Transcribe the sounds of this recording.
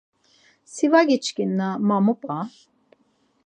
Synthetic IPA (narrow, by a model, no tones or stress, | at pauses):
sivaɡit͡ʃʼkʼinːamamupʼa